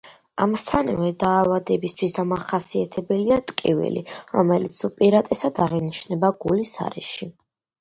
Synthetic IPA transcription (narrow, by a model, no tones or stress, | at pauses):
amst̪ʰanɛvɛd̪aːvad̪ɛbist̪ʰwisd̪amaχasiat̪ʰɛbɛliat̪ʼkʼḭvḭlḭɾɔmɛlit̪supʼiɾat̪ʼɛsad̪aʁiniʃnɛbaɡulisa̰ɾɛ̰ʃi